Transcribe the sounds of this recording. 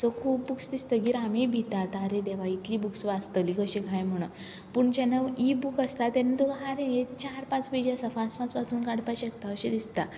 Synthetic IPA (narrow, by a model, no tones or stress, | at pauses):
sɔkʰuːpbuksd̪ist̪əɡiːɾamebʱit̪at̪aɾẽd̪ɛʋait̪liːbuksʋat͡st̪əlikəɕẽɡʱajm̤əɽ̃ə | puɳd͡ʑɛnːəʋibukəst̪at̪ɛnit̪uɡɦaɾẽjet͡ɕaɾpãt͡sped͡ʑjasəfãt͡spãt͡spasuːnkaɽ̤pajɕəkt̪aəɕed̪ist̪a